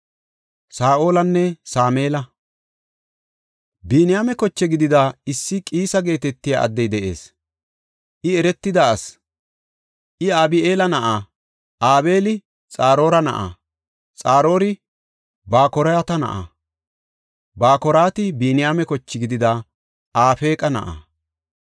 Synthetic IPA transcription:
saːʔo̞ːlɐnːɛsaːmeːlɐ | biːnɪjaːmɛkɔt͡ʃːɛɡɪd̪ɪd̪aːɪsːɪkʼiːsɐɡe̞ːt̪ɛt̪ːɪja̰ɐ̰d̪ːɛjd̪ɛʔe̞̰ːs | ʔɪɛɾɛt̪ːɪd̪aːs | ʔɪaːbɪʔe̞ːlɐnɐʔaː | aːbe̞ːlɪ | t͡sʼaːɾo̞ːɾɐnɐ̰ʔa̰ː | t͡sʼaːɾo̞ːɾɪ | baːkɔɾɐjat̪ɐnɐ̰ʔa̰ː | baːkɔɾaːt̪ɪbiːnɪjaːmɛkɔt͡ʃːɪɡɪd̪ɪd̪aː | aːfe̞ːkʼɐnɐ̰ʔa̰ː

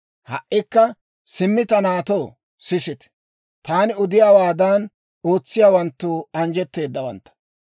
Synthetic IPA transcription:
hɐʔːɪkːɐ | sɪmːɪt̪ɐnaːt̪oː | sɪsɪt̪ɛ̥ | t̪aːnɪʊd̪ɪjaːwaːd̪an | o̞ːt͡sːɪjaːwɐnt̪ːuːɐnd͡ʒɛt̪ːe̞ːd̪ːɐwɐ̰nt̪ːɐ̥

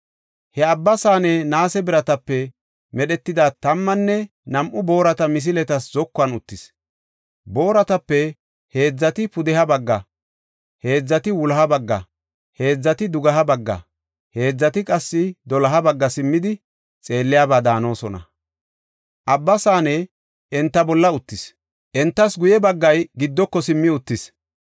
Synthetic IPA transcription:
hɛɐbːɐsaːnɛnaːsɛbɪɾɐt̪ɐpːɛ | mɛɗɛt̪ːɪd̪aːt̪ɐmːɐnːɛ | nɐmʔʊbo̞ːɾɐt̪ɐmɪs̬ɪlɛt̪ɐszɔkːʊɐnʊt̪ːɪs | bo̞ːɾɐt̪ɐpːɛ | he̞ːd͡zːɐt̪ɪpʊd̪ɛhɐbɐɡːɐ | he̞ːd͡zːɐt̪ɪwʊlɐɦɐbɐɡːɐ̰ | he̞ːd͡zːɐt̪ɪd̪ʊɡɐɦɐbɐɡːɐ̰ | he̞ːd͡zːɐt̪ɪkʼɐsːɪd̪ɔlɐɦɐbɐɡːɐsɪmːɪd̪ɪ | t͡sʼe̞ːlːɪjaːbaːd̪aːno̞ːsɔnɐ̰ | ʔɐbːɐsaːnɛ | ʔɛnt̪ːɐbɔlːɐʊt̪ːɪs | ʔɛnt̪ːɐsɡʊjɛbɐɡːɐjɡɪd̪ːɔkːɔsɪmːɪʊt̪ːɪs

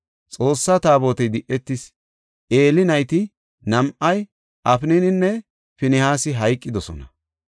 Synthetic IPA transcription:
t͡sʼo̞ːsːɐt̪aːbo̞ːt̪ɛjd̪ɪʔɛt̪ːɪs | ʔe̞ːlɪnɐjt̪ɪ | nɐmʔɐj | ʔɐfɪnɪnɪnːɛ | fɪnɪhaːsɪɦɐjkʼːɪd̪ɔsɔ̰nɐ

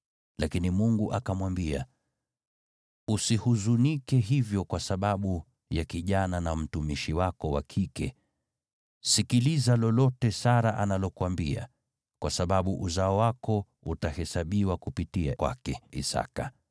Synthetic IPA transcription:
lakinimuŋɡuʔakamwambia̰ | usihuzunikɛɦivjɔkwasaɓaɓu | jakiʄananam̩tumiʃiwakɔwakʰikɛ | sikilizalɔlɔtɛsaɾaʔa̰nalɔkuwambia̰ | kwasaɓaɓuʔuzaɔwakɔ | utahɛsaɓiwakupitia̰kwa̰kɛḭsa̰ka

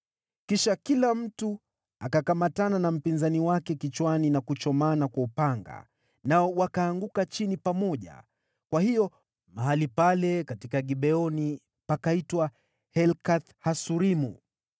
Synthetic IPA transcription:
kiʃakilam̩tu | akakamatananam̩pinzaniwakɛkit͡ʃwaninakut͡ʃɔmanakwaupaŋɡa̰ | naɔwakaːŋɡukat͡ʃinipamɔʄa̰ | kwahiɔ | maɦalipalɛkatikaɠiɓɛɔni | pakaitwa | hɛlkaθhasuɾimṵ

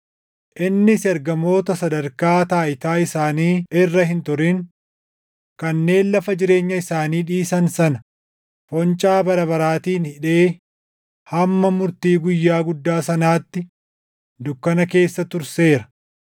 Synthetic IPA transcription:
ʔɪnːɪsɛɾɡɐmo̞ːt̪ɐsɐd̪ɐɾkaːt̪aːʔɪt̪aːɪsaːniːɪrːɐɦɪnt̪ʊɾɪŋ | kɐnːe̞ːnlɐfɐd͡ʒɪɾe̞ːɲːɐɪsaːniːᶑiːsɐnsɐnɐ | fɔnt͡ʃʼaːbɐɾɐbɐɾaːt̪iːnhɪᶑe̞ː | hɐmːɐmʊɾt̪iːɡʊjːaːɡʊd̪ːaːsɐnaːt̪ːɪ | d̪ʊkːɐnɐke̞ːsːɐt̪ʊɾse̞ːɾɐ̥

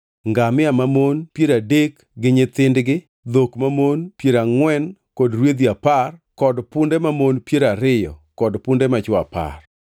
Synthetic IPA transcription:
ŋɡamɪamamonpjeɾadek | ɡɪɲɪt̪ɪndɡɪ | d̪okmamonpjeɾaŋwɛnkɔdɾwed̪iaparkɔdpʊndɛmamonpjeɾaɾɪjɔ̰kɔdpʊndɛmat͡ʃwa̰pa̰r

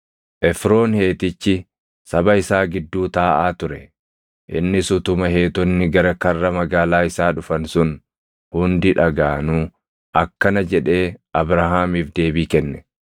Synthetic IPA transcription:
ʔɛfɾo̞ːnhe̞ːt̪ɪt͡ʃːɪ | sɐbɐɪsaːɡɪd̪ːuːt̪aːʔaːt̪ʊɾɛ | ʔɪ̰nːɪsʊt̪ʊmɐɦe̞ːt̪ɔnːɪɡɐɾɐkɐrːɐmɐɡaːlaːɪsaːᶑʊfɐnsʊn | hʊnd̪ɪᶑɐɡaːnuː | ʔɐkːɐnɐd͡ʒɛᶑe̞ːʔɐbɾɐɦaːmiːfd̪e̞ːbiːkɛnːɛ̥

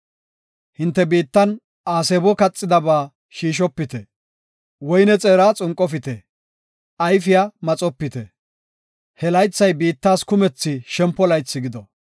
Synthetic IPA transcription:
hɪnt̪ːɛbiːt̪ːɐn | aːseːbɔkɐt͡sʼːɪd̪ɐbaː | ʃiːʃ̬ɔpːɪt̪ɛ | wɔjnɛt͡sʼeːɾaːt͡sʼʊŋkʼːɔfɪt̪ɛ | ʔɐjfɪjamɐt͡sʼɔpːɪt̪ɛ | hɛlɐjt͡sːɐjbiːt̪ːaːskʊmɛt͡sːɪʃɛmpːɔlɐjt͡sːɪɡɪd̪ɔ

